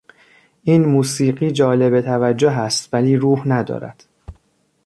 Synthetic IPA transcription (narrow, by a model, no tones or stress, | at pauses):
ʔiːnmuːsiːɢiːd͡ʒɒːle̞be̞t̪ʰævæd͡ʒːoɦæst̪væliːɾuːhnæd̪ɒ̰ːɾæ̰d̪̥